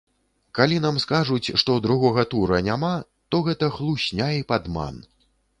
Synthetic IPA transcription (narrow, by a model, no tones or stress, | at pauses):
kalʲinamskaʐut͡sʲʂt̪ɔd̪ɾuɣɔɣɐt̪uɾɐnʲama | t̪ɔɣɛt̪ɐxlˠuɕʲnʲaipad̪ma̰n